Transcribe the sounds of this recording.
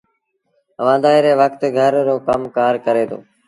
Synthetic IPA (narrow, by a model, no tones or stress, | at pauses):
əʋãːd̪aːɪɾeːʋəkt̪ɡʱəɾɾoːkəmkaːɾkəɾeːt̪ʰo̰ː